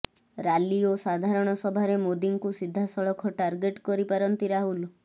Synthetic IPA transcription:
ɾaliosad̪ʱaɾɔɽ̃ɔsɔbʱaɾemod̪iŋkusid̪ʱːasɔɭɔkʰɔʈaɾɡeʈkɔɾipaɾɔnt̪iɾaɦulu

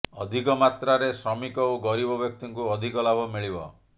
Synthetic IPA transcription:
ɔd̪ʱikɔmat̪ɾaɾesɾɔmikɔoɡɔɾibɔbjɔk̚t̪iŋkuɔd̪ʱikɔlabʱɔmiɭibɔ̰

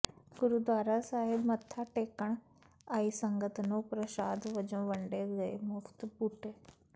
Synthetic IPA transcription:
ɡʊɾuːd̪ʋaːɾasaːɦɪbmət̪ʰːaʈeːkəɳ̃ | aːisə̃ŋɡət̪nõːpɾəʃaːd̪ʋəd͡ʒõːʋəɳɖeːɡəemʊfʰt̪buːʈeː

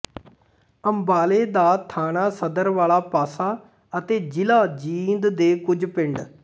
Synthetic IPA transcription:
əmbaːleːd̪aːt̪ʰaːnaːsəd̪əɾʋaːlaːpaːsaː | ət̪eːd͡ʒɪlaːd͡ʒiːnd̪d̪eːkʊd͡ʒpɪɳɖ

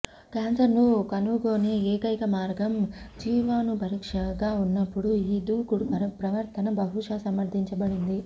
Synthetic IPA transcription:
kaːnsɐɾnukɐnuɡo̞ːneːeːkɐjkɐmaːɾɡɐmd͡ʒiːʋaːnupɐɾikʂɐɡaːunːɐpːuɽuiːd̪uːkuɽupɐpɾɐʋɐɾt̪ʰɐnɐbɐɦuʂɐsɐmɐɾd̪ʱiɲt͡ʃɐbɐɽind̪i

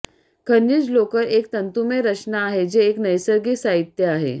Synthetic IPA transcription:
kʰənjid͡zlokəɾek̚t̪ənt̪umeɾət͡ɕnaːɦed͡ʑeːknəjsəɾɡiːsaɦit̪jəaɦḛ

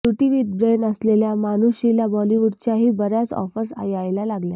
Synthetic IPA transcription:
t̪uʈiʋiːʈ̪̚bɾenəsleljamanuɕilabɔliʋuɖt͡ɕjaɦiːbəɾjat͡sɔ̰fəɾsa̰jajlalaɡlja

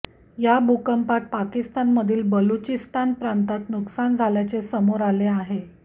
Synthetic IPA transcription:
jabʱukəmpat̪̚pakist̪anməd̪ʱiːlbəlut͡ɕist̪anpɾant̪at̪nuksand͡zʱaljat͡sesəmoɾaleaɦe

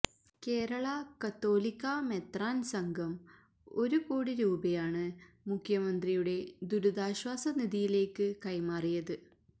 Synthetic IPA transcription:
ke̞ːɾɐɭɐkɐt̪ːo̞ːlikːamet̪raːnsɐŋɡʱɐm | o̞ɾukoːɽiɾuːbɐjaːɳɨ | mukʰjɐmɐnd̪rijuɽe̞d̪uɾuðaːɕwaːsɐniðijile̞ːkːɨkɐjmaːrijɐðɨ

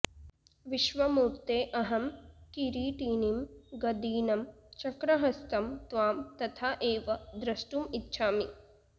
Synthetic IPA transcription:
ʋiʃʋɐmuːɾt̪eːʔɐɦɐmkiɾiːʈiːnimɡɐd̪iːnɐmt͡ʃɐkɾɐɦɐst̪ɐmt̪ʋaːmt̪ɐt̪ʰaːʔeːʋɐd̪ɾɐʃʈuːmit̪ːʃʰaːmi

